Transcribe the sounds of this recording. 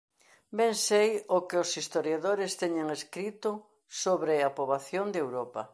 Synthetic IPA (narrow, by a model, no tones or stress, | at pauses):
beŋsejʊkɪʊsist̪oɾjaðoɾɪst̪eɲeŋeskɾit̪ʊ | soβɾɪapoβaθjond̪ewɾopa̰